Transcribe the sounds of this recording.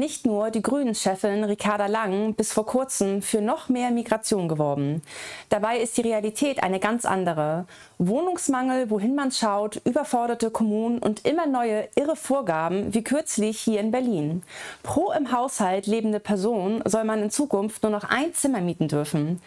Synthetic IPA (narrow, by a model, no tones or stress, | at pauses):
nɪçtnuːɐdiːɡʁyːnənʃɛfɪnnʁikʰaɐɾalaŋbɪsfoːɐkʰʊɐt͡səm̩fyːɐnɔχmeːɐmiɡʁat͡sjoːnɡəvɔɐbm̩d̥abaɪɪst̚d̥iːʁealitʰɛːtʔa̰ɪnəɡant͡sʔa̰ndəʁ̞ə | voːnʊŋsmaŋl̩voɦɪnmanʃaʊtʔyːbɐfɔɐɾɐtəkʰɔmuːnənʔʊ̰ntʔɪmɐnɔʏəʔɪʁəfoːɐɡaːbm̩viːkʰʏɐt͡slɪçhiːɐɪnbɛɐliːnpʁ̥oːʔɪmɦaʊshaltleːbm̩dəpʰɛɐzoːnzɔlmanɪnt͡suːkʊnftnuːɐnɔχʔa̰ɪnt͡sɪmɐmiːtn̩dʏɐfn̩